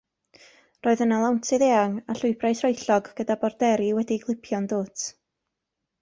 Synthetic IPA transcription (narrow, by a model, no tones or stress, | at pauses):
roːɨðənalˠawntʰɨðeːaŋaɬʊɨbrajsrɔɨjɬɔɡɡ̥ədabɔrdɛɾiwɛdiɡlˠɪpʰjɔndoːtʰ